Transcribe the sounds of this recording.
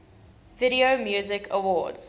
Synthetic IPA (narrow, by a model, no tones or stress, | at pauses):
vɪɾiomjuːzɪkʰəwɔ̰ːdz̥